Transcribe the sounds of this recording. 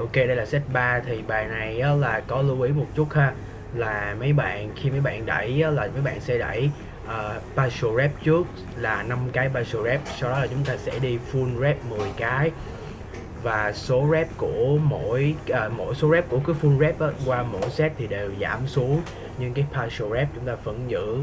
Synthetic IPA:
ʔo˧wke˧ɗə˧jlaː˨˩sɛ˦˥t̚ɓaː˧t̪ʰi˨˩ɓaː˨˩jna˨˩jʔaː˨˦laː˨˩kɔ˨˦lu˧wʔi˨˦mo˨˩t̚t͡ɕʊ˦˥t̚haː˧ | laː˨˩mə˨˦jɓa̰ː˧˨nxi˧mə˨˦jɓa̰ː˧˨nɗə̰˧˩jʔaː˨˦laː˨˩mə˨˦jɓa̰ː˧˨nsɛ̰˧˥ɗə̰˧˩j | ʔəː˨˩paː˧so˧zɛ˦˥p̚t͡ɕɨ˦˥ək̚ | laː˨˩na˧mkaː˨˦jɓaː˧so˧zɛ˦˥p̚sa˧wɗɔ˨˦laː˨˩t͡ɕʊ˨˦ŋ͡mt̪aː˧sɛ̰˧˥ɗi˧fu˧nzɛ˦˥p̚mɨ˨˩əjkaː˨˦j | vaː˨˩so˨˦zɛ˦˥p̚ku˧˩əmo̰˧˥jʔəː˨˩mo̰˧˥jso˨˦zɛ˦˥p̚ku˧˩əkaː˨˦jfu˧nzɛ˦˥p̚ʔaː˨˦kwaː˧mo̰˧˥jsɛ˦˥p̚t̪ʰi˨˩ɗe˨˩wza̰ː˧˩msu˨˦əŋ | ɲɨ˧ŋkaː˨˦jpʰaː˧so˧zɛ˦˥p̚t͡ɕʊ˨˦ŋ͡mt̪aː˧fə̰˧˩nzɨ̰˧˥

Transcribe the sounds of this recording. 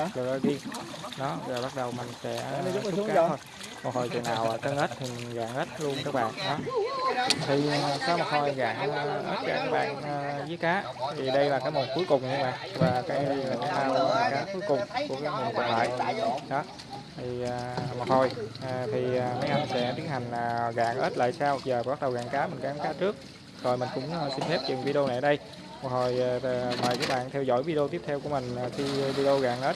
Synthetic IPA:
lɨ̰˧˨ə˧zi˧ɗɔ˨˦vaː˨˩ɓa˦˥t̚ɗə˨˩wma˨˩ŋ̟sɛ̰˧˥˧kaː˨˧˦tʰo˧j | mo˨˩ho˨˩jt͡ɕɨ̰˨əŋnaː˨˩wʔaː˨˩tə˧ŋʔəː˦˥t̚t̪ʰi˨˩ɣaː˨˩ŋʔəː˦˥t̚lu˧ənkaː˦˥k̚ɓa̰ː˧˨nɗɔ˨˦ | t̪ʰi˨˩˨saː˧˦wmɔ˨˩t̚ho˨˩jɣaː˨˩ŋʔəː˦˥t̚zaː˧kaː˦˥k̚ɓa̰ː˧˨nəː˨˩zɨ˨˦jkaː˨˦˥ | t̪ʰi˨˩ɗə˧jlaː˨˩kaː˨˦jmo˨˩nku˨˦jkʊ˨˩ŋ͡mɲɨ˧ɓa̰ː˧˨ŋvaː˨˩kaː˨˦˧ɗə˧laː˨˩ka˨˦saː˧wkaː˨˦ku˨˦əjkʊ˨˩ŋ͡mku˧˩əkaː˨˦kŋḭ˨˩əŋkw̰nla̰ː˧˨jɗɔ˨˦ | t̪ʰiː˨˩˨mɔ˨˩ho˨˩jt̪ʰi˨˩aː˨˩ma˨˧˦jʔa˧jnsɛ̰˧˥t̪i˦ənha˨˩jŋ̟ː˨˩ɣa̰ː˨˩ŋʔəː˦˥t̚la̰ː˧˨jsaː˧w̚zəː˨˩ɓa˦˥k̚ɗə˨˩wɣa̰ː˧˨˩ŋkaː˨˦mï˨˩ŋ̟kaː˨˦kaː˨˦˥t͡ɕɨ˦˥ək̚ | z̥ɔ˨˩jmï˨˩ŋ̟kʊ̰˧˥ŋ͡msi˧nfɛ˦˥p̚t͡ɕḭ˨˩nvi˧ɗo˧na˨˩jʔə˦ɗə˧j | mɔ˨˩k̚ho˨˩jːmɔ̰˧˨jkaː˦˥k̚ɓa̰ː˧˨nt̪ʰɛ˧wzɔ̰˧˥jvi˧ɗo˧t̪i˦˥əp̚t̪ʰɛ˧wku˧˩əmï˨˩ŋ̟ə˨˩xi˧vi˧ɗo˧ɣa̰ː˨ŋʔə˦˥t̚

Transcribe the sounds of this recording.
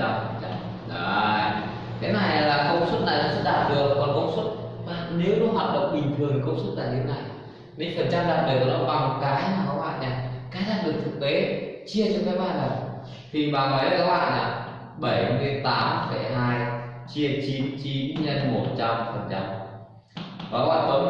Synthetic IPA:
a˧mfə˨˩nt͡ɕa˧m | ɗa˨˧˨ | t̪ʰe˨˦na˨˩ja˨˩laː˨˩kə˧wŋ͡mswə˦˥t̚na˨˩jɔ˧˦sə˦˥t̚ɗaː˨˩t̚zɨ˨˩əkɔ˨˧˦nkə˧wŋ͡mswə˦˥t̚ɓaː˧˨˩ne˨˦wnɔ˨˦ɦwaː˨˩t̚ɗə̰˧˨wŋ͡mɓï˨˩ŋ̟t̪ʰɨ˨˩əŋkə˧wŋ͡mswə˦˥t̚laː˨˩t̪ʰe˨˦wna˨˩j | me˨˦fə˨˩nt͡ɕa˧mɗaː˨˩t̚ɗə˨˧˩wa˨˩ɗə̰˧˨wɓa˨˩ŋ˨kaː˨˦jmaː˨˩ka˨˦k̚wa̰ː˧˨jɲaː˨˩kaː˨˦jzaː˦˥t̚lɨ˨˩t̪ʰɨ˨˩k̚t̪e˨˦t͡ɕi˧ət͡ɕɔ˧kaː˨˦jɓaː˧˨nla˨˩ | t̪ʰi˨˩ɓaː˨˩ŋɔː˨˦jkaː˨˦˥k̚wa̰ː˧˨jʔaː˨˩ | ɓə˧˩jhɗe˨˦nt̪aː˨˦mfə˧˩jɦaː˧jt͡ɕi˧ət͡ɕi˨˦nt͡ɕi˨˦nɲə˧nmo˨˩t̚t͡ɕa˧mfə˨˩nt͡ɕa˧m | aː˨˩ka˨˦wa̰ː˧˨˩t̪ə˨˦

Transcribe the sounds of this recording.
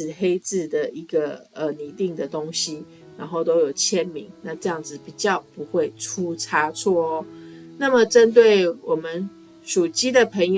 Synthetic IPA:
xe˥ɪt͡sɹ̩˥˩d̪ə˩i˧˥ɡə˧ə˨ni˨˥t̪i˥˨ŋd̪ə˨t̪o˥˦ŋɕi˦ | ɻa˧˥nxo˥˩ʊt̪o˥ʊjo˨˩ʊt͡ɕʰjɛ˦˥nmi˨˧˥ŋna˥˧ʈ͡ʂɤ˥˧jɑ˥˩ŋd͡zɹ̩˨pi˨˩t͡ɕjɑ˥˩ʊpu˧˦xwe˥˩ɪʈ͡ʂʰu˦t͡sʰa˥t͡sʰwɔ˥˩˦na˥˩mə˨ʈ͡ʂə˦nt̪̬we˥˩ɪwɔ˨˩mə˦n | ʂu˨˩t͡ɕi˥d̪ə˨pʰə˧˥ŋjo

